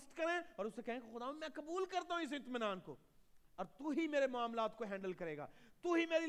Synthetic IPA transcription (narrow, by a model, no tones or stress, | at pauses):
sʈkɐɾẽɔːɾʊsːekɛɦẽkexʊd̪aːmẽmɛ̃kɐbuːlkɐɾt̪aɦũɪs̬ɪ̃t̪mɪnaːnko̰ː | ɔːɾt̪uɦimeːɾemʊaːmlaːt̪koɦɛ̃ːɳɖəlkɐɾeːɡa̰ːt̪uɦimeːɾi